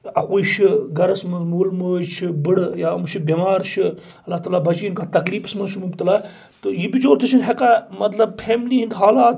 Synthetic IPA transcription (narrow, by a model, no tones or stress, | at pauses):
ɐkuːjʃʰiɡɐɾɐsmɐnzmuːlmoːjt͡ʃʰibɨɽjaːmt͡ʃʰibemaːɾʃʰi | ɐlːaht̪aːlaːbɐt͡ʃiːnkaːt̪ɐkliːfɨ̥smɐnʃʰimuɡt̪ɐlaː | t̪ɨjibit͡ʃoːɾt̪ʰɨt͡ʃʰinɦekamɐt̪lɐb̚fʰeːmliːɦind̪ɦaːlaːt̪